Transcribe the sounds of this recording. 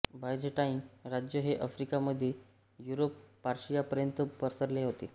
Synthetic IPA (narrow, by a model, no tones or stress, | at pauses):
bajd͡ʑeʈainɾad͡ʑjəɦeʔəfɾikaməd̪ʱːje | juɾopːaɾɕijapəɾjənt̪əpəɾsəɾleɦot̪e